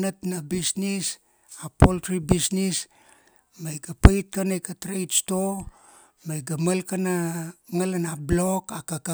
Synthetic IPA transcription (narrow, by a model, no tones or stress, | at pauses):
natnabisnis | apoltɾibisnis | majɡapajt̚kanajkatɾejtsto | majɡamalkanaŋalanablokakaka